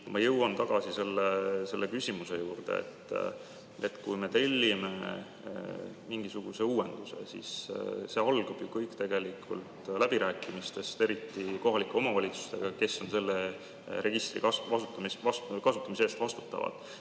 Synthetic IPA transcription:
mɑjɤwɑnt̪ɑɡ̥ɑsise̞lːese̞lːekysʲimuse̞juːrd̪̥e̞̰ḛt̪ːˑ | e̞̰t̪kujme̞t̪e̞lʲːime̞̰ | miŋɡ̥isuɡ̥use̞uːe̞nd̪̥usḛsḭsse̞ɑlɡ̥ɑb̥jukɤjkt̪e̞ɡ̥e̞likʰˑṵlt̪læb̥iɾæːkːˑimist̪e̞st̪e̞ɾit̪ːiko̞ɦɑlikːˑe̞o̞mɑvɑlʲit̪su̥st̪e̞̰ɡ̥ɑke̞sːo̞nse̞lːe | ɾe̞ɡist̪rḭkɑsvɑsut̪ːˑɑmisɑskɑsut̪ːˑɑmis̬eeːst̪vɑst̪u̥t̪ːˑɑ̰vɑ̰d̪̥

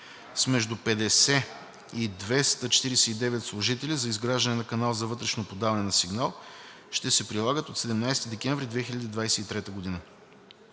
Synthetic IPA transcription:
smɛʒd̪upɛd̪ɛsɛ | id̪vɛst̪ət͡ʃɛ̥t̪iɾɛsɛid̪ɛvɛt̪slˠʊʒit̪ɛlʲizɐizɡɾaʒd̪ɐnɛnɐkɐnalˠzɐvɤt̪ɾɛʃnopod̪avɐnɛnɐsiɡnalˠ | ʃt̪ɛsɛpɾilˠaɡət̪ot̪sɛd̪ɛmnajst̪id̪ɛkʲɛ̃ɱvɾid̪vɛxilʲɐd̪id̪vajsɛit̪ɾɛt̪əɡod̪inə

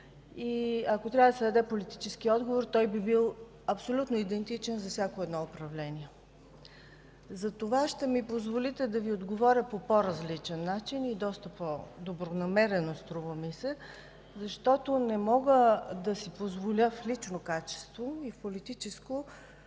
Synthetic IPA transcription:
iɐkot̪ɾʲavəd̪əsɛd̪ɐd̪ɛpolit̪i̥t͡ʃɛsk̟iɔd̪ɡovoɾt̪ɔjbibilˠ | ɐpsolʲut̪noid̪ɛnt̪it͡ʃɛnzɐfsʲjakoɛd̪nɔopɾɐvlɛnʲiɛ | zɐt̪ovaʃt̪ɛmipozvolit̪ɛd̪ɐviod̪ɡovɔɾʲjəpopoɾɐzlit͡ʃɛnːat͡ʃinid̪ɔst̪əpɔd̪obɾonɐmɛɾɛnost̪ɾuvəmisɛ | zɐʃt̪ɔt̪onɛmɔɡəd̪ɐsipozvolʲəflit͡ʃnokat͡ʃɛ̥st̪voifpolit̪it͡ʃɛsko

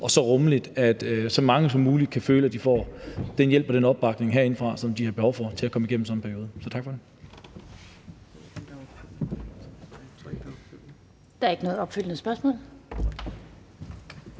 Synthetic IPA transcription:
ʔɒ̽sɒ̽ʁɔ̽məlid̥æd̥sɒ̽mɑ̈ŋəsɒ̽muːli̥kʰæføːləæd̥ifɒ̰ːd̥enjel̰b̥ɒd̥enɒ̽b̥̚ːɑ̈ɡ̥ne̝ŋɦeɐe̝nəfʁɑ̈sɒ̽md̥ihɑ̈b̥eɒʊ̰fɒ̽t͡sʰe̝lækʰɒ̽məiɡ̥em̩sɒ̽npʰæɐjo̝ːðˠəsɒ̽t͡sʰɑ̈ɡ̥fɒ̽ɾ̥e | d̥ɑ̈æɐe̝ɡ̥ənɔ̽ːð̩ˠɒ̽b̥fyl̰nəsb̥ɶɐsmɔ̰̽ːl

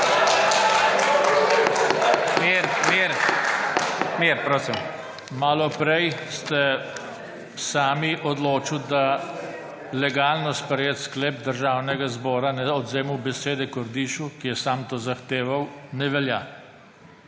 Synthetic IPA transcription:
meɾmeɾ | meɾpɾoːsim | maːlɔpɾɛjst̪ɛ | saːmiʔɔd̪loːt͡ʃiwd̪a | lɛɡaːlnɔspɾɛjeːt̪skleːp̚d̪əɾʒaːwnɛɡazbɔːɾanɛɔd̪zeːmuwbɛseːd̪ɛkɔɾd̪iːʃukijɛsaːmt̪oːzaxt̪eːʋawnɛʋɛlja

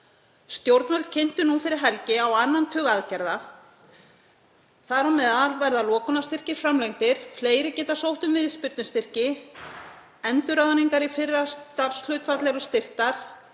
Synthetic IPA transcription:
st̪jowɾt̪mœlt̪̚cʰen̥t̪ʏnufɪɾɪɾ̥ɦɛlcɪawanːant̪ʰœːɣaðcɛɾða | θaɾamɛðaɾvɛɾðalɔːkʰɔnast̪ɪr̥cɪɾ̥fɾamlejŋt̪ɪɾ̥fleːjɾɪcɛːt̪asowht̪ʏmvɪðspɪɾt̪nʏst̪ɪr̥cɪ | ɛnt̪ʏɾaðaniŋkaɾifɪrːast̪apsl̥œɥt̪fat̪lɛɾʏst̪ɪr̥t̪aɾ̥

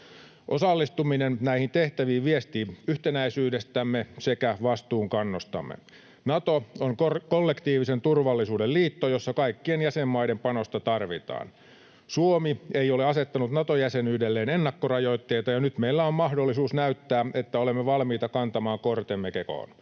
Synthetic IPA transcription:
ʔosɑlːist̪uminennæihint̪eht̪æʋiːʋʋiest̪iyht̪enæisyːdest̪æmːesekæʋɑst̪uːŋkɑnːost̪ɑ̰mːḛ | nɑt̪ooŋkokolːekt̪iːʋisent̪urʋɑlːisuːdelliːt̪ːojosːɑkɑikːienjæsemːɑidempɑnost̪ɑt̪ɑrʋit̪ɑ̰ːn | suomieioleɑset̪ːɑnut̪nɑt̪ojæsenyːdelːeːnenːɑkːorɑjoit̪ːeit̪ɑjɑnyt̪meilːæommɑhdolːisuːsnæyt̪ːæːet̪ːæolemːeʋɑlmiːt̪ɑkɑnt̪ɑmɑːŋkort̪emːekeko̰ːn

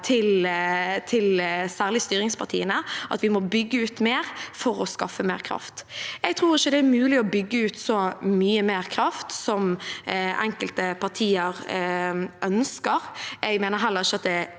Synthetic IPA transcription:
t̪ʰɪlt̪ʰɪlsæːʁlɪst̪yːɾɪŋspʰɑʁt̪ʰiːənəʔɑt̪ʋɪmɔbʏɡːəʉːt̪meːɾfɔɾɔskɑfːəmḛːʁkʰɾɑ̰ft̪ɛɡ̚t̪ʰʁuːʁɪçːəd̪ɛæmʉːlɪɔbʏɡːəʉːt̪sɔmyːəmeːʁkʰɾɑft̪sɔm | ɛ̰ŋkəlt̪əpʰɑʁt̪ʰiːəɾ | ʔœnskəʁɛɡmeːnəɾɦɛlːəɾʁɪçːəɑt̪̚d̪ɛ

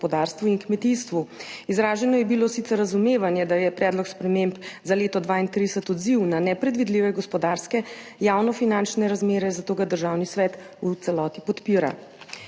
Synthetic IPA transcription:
pɔd̪aɾst̪ʋuinkmɛt̪ist̪ʋuizɾaːʒɛnɔjɛbiloːsit̪sɛɾːazumeːʋanjɛd̪ajɛpɾɛːd̪lɔkspɾɛmempzaleːt̪ɔd̪ʋaːint̪ɾid̪ɛsɛt̪ɔd̪ziwnanɛpɾɛd̪ʋid̪liʋɛɡɔspɔd̪aɾskɛjaːwnɔfinant͡ʃnɛɾazmeːɾɛzat̪oːɡad̪əɾʒawnisʋɛːt̪ | ut̪sɛlɔːt̪ipɔt̪piːɾa̰

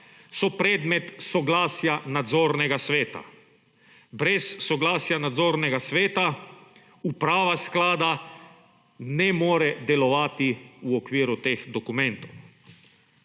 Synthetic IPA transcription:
sɔpɾɛːd̪mɛt̪sɔɡlaːsjanad̪zoːɾnɛɡasʋeːt̪a̰ | bɾɛsːɔɡlaːsjanad̪zoːɾnɛɡasʋeːt̪a | upɾaːʋasklaːd̪a | nɛmoːɾɛd̪ɛlɔʋaːt̪iuɔkʋiːɾut̪eːxd̪ɔkumɛnt̪ɔw

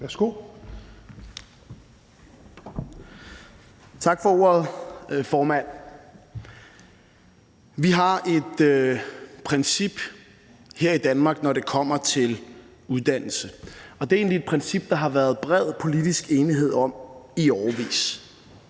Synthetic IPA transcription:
ʋæsɡ̥o̝ | t͡sʰɑ̈ɡ̥fɒo̝ɐð̩ˠfɒːmæn̰ | ʋiɦɑ̈ʔe̝d̥øpʰʁɛnsib̥ | heɐ̰id̥ænmɑ̈ːɡ̥nɒɾe̝kʰɒ̽m̰ɐt͡sʰe̝l | uð̞ˠd̥æn̰l̩səɒ̽d̥e̝æe̝ːnlie̝d̥̚pʰʁɛnsib̥d̥ɑ̈ɦɑ̈ʋæːɐð̞̩ˠb̥ʁɛð̰ˠpʰo̝lid̥isɡ̥e̝ːniɦe̝ð̞̰ˠɒ̽m̰iɒːɐʋḭːs

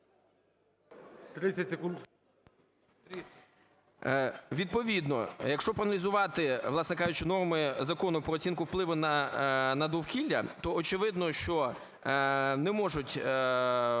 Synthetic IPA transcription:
t̪ɾɪsʲɐsʲekunt̪ | ʋʲid̪̚pɔʋʲid̪nɔ̰jɐkʃt͡ʃɔpɾɐnɐlʲizʊʋɑt̪ɪʋlˠɑsnekɑjʊt͡ʃɪnɔrmɪzɐkɔnʊpɾɔt͡sʲinkʊwplˠɪʋʊnɐnɐd̪ɔwkʲilʲːɐt̪ɔːt͡ʃɪʋɪd̪nɔʃt͡ʃɔ | nɛmɔʒʊtʲ

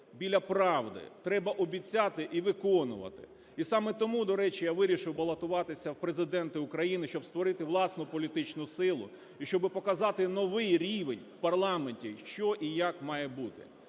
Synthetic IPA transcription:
bʲilʲɐpɾɑʋd̪ɪ̰t̪ɾɛbɐʔɔbʲit͡sʲːat̪ɪʔiʋɪkɔnʊ̰ʋɐ̰t̪ɪ̥̰ | isɑmɛt̪ɔmud̪ɔɾɛt͡ʃijaʋɪɾʲiʃɪwbɐlˠɐt̪ʊʋɑt̪ɪsʲɐwpɾezɪd̪ɛnt̪ɪʊkɾɐjinɪʃt͡ʃɔbst̪ʋɔɾɪt̪ɪʋlˠɑsnʊpɔlʲit̪ɪt͡ʃnʊsɪlˠʊ̰ | iʃt͡ʃɔbɪpɔkɐzɑt̪ɪnɔʋɪjɾʲiʋenʲwpɐrlˠɑmenʲtʲiʃt͡ʃɔʔijakmɑjɛbut̪ɪ̰

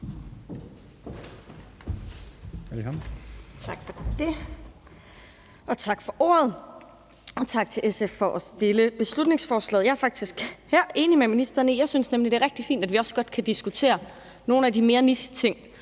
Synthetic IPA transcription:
hælkʰɒmt͡sʰɑ̈ɡ̥fɒd̥e̝ | ʔɒ̽t͡sʰɑ̈ɡ̥fɒ̽ʔo̰ːɐð̞ˠ | ɒ̽t͡sʰɑ̈ɡ̥̚t͡sʰe̝leseffɒ̽ʔɒsd̥e̝ləb̥e̝slud̥ne̝ŋsfɒːslɛ̰ːð̩ˠjɑ̈ɐfɑ̈ɡ̥̚d̥isɡ̥hæɐ̰ʔe̝ːnimeminisd̥ɐnəjɑ̈ɪsynsnemlid̥e̝æɐʁɛɡ̥̚d̥ifḭːnd̥æd̥ʋiɒ̽sɡ̥ɒ̽d̥kʰæd̥isɡ̥ut͡sʰe̝̰ːɐ | no̝ːn̩ædime̝ːɐnisə̥t͡sʰe̝ŋ̰

